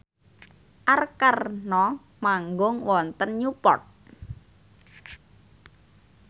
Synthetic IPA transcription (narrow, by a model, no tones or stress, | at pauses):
ʔarkarnɔ | maŋɡʊŋwɔnt̪ənɲupɔ̰t̪̚